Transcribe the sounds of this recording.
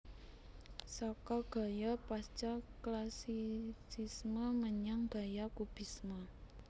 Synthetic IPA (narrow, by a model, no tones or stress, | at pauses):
sakɔɡ̥a̤japast͡ʃaklasisisməməɲaŋb̥a̤jakub̥i̤sma